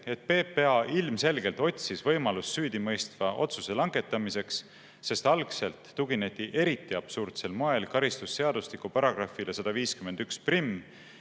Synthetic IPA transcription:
e̞t̪̚pe̞ːpːe̞ɑʔilmse̞lɡ̥e̞lt̪o̞tʲsisvɤjmɑlusːyːd̪imɤjst̪vɑʔo̞̰t̪suse̞lɑŋɡe̞t̪ːˑɑmise̞ksː | e̞st̪ɑlkse̞lt̪ːuɡine̞t̪ːˑiʔe̞ɾit̪ˑːiɑb̥surt̪se̞lmo̞e̞lkɑɾist̪usːe̞ɑd̪̥uslikupɑɾɑɡ̥rɑfilesɑd̪̥ɑviːskymend̪yksprimː

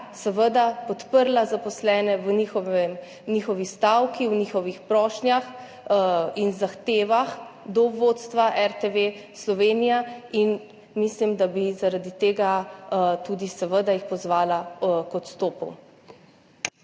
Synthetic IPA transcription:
səʋəd̪apɔt̪pəɾlazapɔslɛːnɛʋnixɔɛm | nixɔʋist̪awkiwnixɔʋixpɾɔːʃnjax | inzaxt̪eːʋaxd̪ɔʋot̪st̪ʋaʔɛɾt̪eʋeslɔʋeːnijain | mislimd̪abizaɾad̪it̪eːɡat̪ud̪isɛʋəd̪ajixpɔzʋaːlakɔt̪st̪oːpɔ̰w

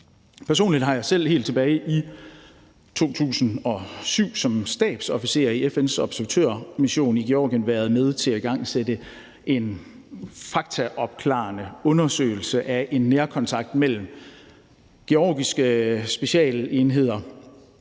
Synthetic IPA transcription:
pʰæɐso̝̰ːnlid̥ɦɑ̈jɑ̈sel̰he̝̰ːld̥t͡sʰe̝b̥ɛːɪʔi | t͡sʰo̝̰ːt͡sʰṵːsn̩ɒ̽syʊ̰sɒ̽msd̥ɛ̰ːb̥sɒ̽fise̝̰ːɐiefensɒ̽b̥sæɐʋæt͡sʰøɐ̰miɕo̝̰ːniɡ̥e̝ɒ̰ːɡ̥jənʋæːɐð̞ˠmeð̞ˠt͡sʰe̝læiɡ̥ɑ̈ŋ̰sed̥ə | ʔe̝n | fɑ̈ɡ̥t͡sʰæʔɒ̽b̥kʰlɑ̰̈ːnəɔ̽nɐsø̰ːɪl̩səʔæʔe̝nːeɐkʰɒ̽nt͡sʰɑ̈ɡ̥̚d̥mel̰m̩ | ɡ̥e̝ɒːɡ̥isɡ̥əsb̥e̝ɕɛ̰ːle̝nɦe̝ð̞̰ˠɐ

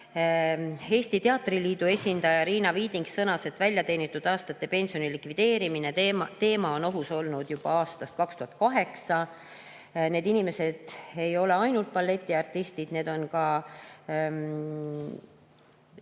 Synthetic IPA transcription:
e̞ːsʲt̪it̪e̞ɑt̪ːˑriliːd̪ue̞sʲind̪ɑjɑɾiːnɑviːd̪iŋɡsːɤnɑse̞t̪ːˑvælʲjɑt̪e̞ːnit̪ːˑud̪̥ɑːst̪ɑt̪ːe̞pe̞nsio̞nilikvid̪̥e̞ːɾiminet̪e̞ːmɑo̞no̞ɦuso̞lnud̪̥jub̥ɑɑːst̪ɑst̪̚kɑkst̪uhɑt̪̚kɑɦe̞ksɑ | ne̞ːd̪inime̞se̞d̪̥e̞jo̞le̞ɑjnult̪̚pɑlːe̞t̪ʲːˑiɑrt̪ːist̪id̪̥ne̞ːd̪̥o̞nkɑ

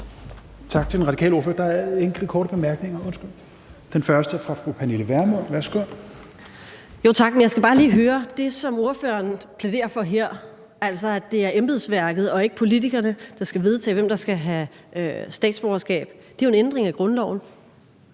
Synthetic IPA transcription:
t͡sʰɑ̈ɡ̥̚t͡sʰe̝denʁɑ̈dikʰɛ̰ːlo̝ɐføɐd̥ɑ̈æeŋɡ̥ləkʰɒːɾəb̥e̝mæɐɡ̥ne̝ŋɐɔ̽nsɡ̥yl̰ | d̥enfɶɐsd̥əfʁɑ̈fʁupʰæniləʋæɐmoɐʋæsɡ̥o | jo̝̰ːt͡sʰɑ̈ɡ̥̚menjɑ̈ɪsɡ̥æbɑ̈ːliːɦøːɐd̥e̝sɒ̽mo̝ɐfø̰ːɐnpʰled̥e̝̰ːɐfɒ̽ɦeɐ̰ | æl̰sɒ̽æd̥e̝æɐʔemb̥ð̩ˠsʋæɐ̰ɡ̥ð̩ˠɒ̽e̝ɡ̥ə̥pʰo̝lit͡sʰiɡ̥ɐnəd̥ɑ̈sɡ̥æʋe̝ð̞ˠt͡sʰɛ̰ːʋem̰d̥ɑ̈sɡ̥æɦæ | øsd̥ɛ̰ːd̥sb̥ɒːɐsɡ̥ɛ̰ːb̥d̥e̝æoe̝nend̥ʁeŋæɡ̥ʁɔ̽nlɒʊn̩

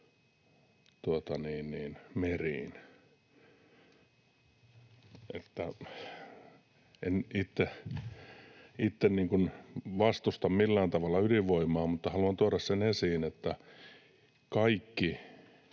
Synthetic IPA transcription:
t̪uot̪ɑniːnniːnmeriːn | ʔḛt̪ːæ | enit̪ːe | it̪ːenniːŋkunʋɑst̪ust̪ɑmmilːæːnt̪ɑʋɑlːɑyliʋʋoimˑɑːmut̪ːɑhɑluɑnt̪uɑrɑssenesiːnet̪ːæ | kɑikːi

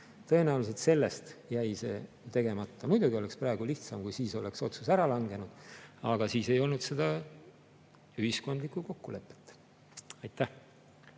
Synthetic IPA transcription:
t̪ɤ̞e̞næulis̬et̪se̞lːe̞st̪jæjse̞̰ː | t̪e̞ɡ̥e̞mɑt̪ːˑɑmujd̪̥uɡio̞le̞ksprɑeɡ̥uliht̪sɑmkujsiːso̞le̞kso̞t̪susæɾɑlɑŋɡe̞nud̪̥ɑɡ̥ɑsiːse̞jo̞lnud̪̥se̞d̪̥ɑ | yhisko̞nd̪likːˑuko̞kːule̞pːˑe̥t̪ːˑ | ɑjt̪ˑːæh

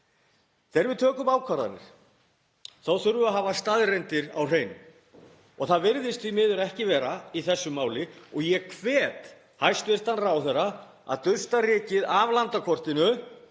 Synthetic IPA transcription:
θɛːɾvɪðt̪ʰœːkʏmaːwkʰvaɾða̰nɪ̰ɾ̥ | θawθʏɾvʏaɦaːvast̪aðrɛjnt̪ɪɾa̰wr̥eːjnʏm | ɔɣθaðvɪɾðɪst̪fimɪːðʏɾɛhcɪvɛːɾaiθɛsːʏmaːwlɪɔɣjɛkʰvɛːt̪ | hajst̪vɛr̥t̪anːraːwθɛrːa | a̰ðt̪ʏst̪arɪːcɪðavlant̪akʰvɔr̥t̪ɪnʏ

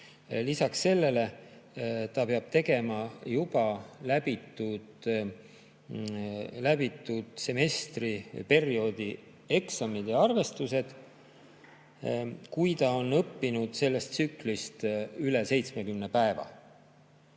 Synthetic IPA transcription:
lisɑksːe̞lːe̞le̞ | t̪ɑpeɑb̥̚t̪e̞ɡe̞mɑjub̥ɑlæb̥it̪ːud̪̥ | læb̥it̪ˑːud̪̥se̞me̞st̪ripe̞rio̞d̪̥i | e̞ksɑmid̪̥jɑɑrve̞st̪use̞d̪̥ | kujt̪ɑo̞nːɤpːinud̪̥se̞lːe̞st̪syklist̪ylese̞jt̪sme̞kymne̞pæevɑ̰

